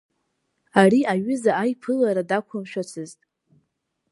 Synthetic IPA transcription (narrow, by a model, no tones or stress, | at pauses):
ariaɥʏzaajpʰɨlaɾadakʷʰʊmʃᶣat͡sʰɨztʼ